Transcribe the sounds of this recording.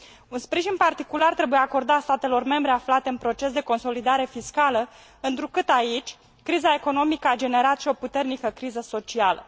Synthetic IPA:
unspɾiʒinpart̪ikulart̪ɾe̞bujeako̞rd̪at̪st̪at̪e̞lo̞rme̞mbɾe̞aflat̪e̞ɨnpɾo̞t͡ʃe̞s̬d̪e̞ko̞nso̞lid̪aɾe̞fiskalə | ɨnt̪ɾukɨt̪ait͡ʃʲ | kɾizae̞ko̞no̞mikəad͡ʒe̞ne̞ɾat̪ʃio̞put̪e̞rnikəkɾizəso̞t͡ʃialə̰

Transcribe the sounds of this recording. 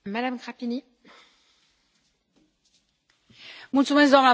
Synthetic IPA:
mad̪amɡʁapini | mũt̪umɛ̃zɔma

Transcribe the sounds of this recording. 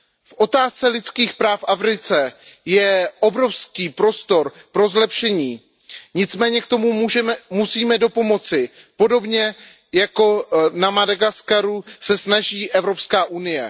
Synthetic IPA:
fʔo̞t̪aːst͡sɛlɪt͡skiːxpɾaːfʔafɾɪt͡sɛjɛʔobɾo̞fskiːpɾo̞st̪o̞ɾpɾo̞zlɛpʃɛɲiː | ɲɪt͡smɛːɲɛkt̪o̞muɛmusiːmɛdo̞po̞mo̞t͡sɪ | po̞do̞bɲɛ | jako̞namadaɡaskaɾusɛsnaʒiːʔɛvɾo̞pskaːʔunɪjɛ

